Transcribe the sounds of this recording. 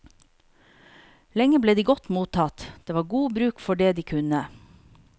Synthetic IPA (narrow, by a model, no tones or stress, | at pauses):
lɛŋəbleːd̪iːɡɔt̪muːt̪ʰɑt̪d̪̥eːʋɑːɾɡuːbɾʉːkfɔɖeːd̪iːkʰʉnə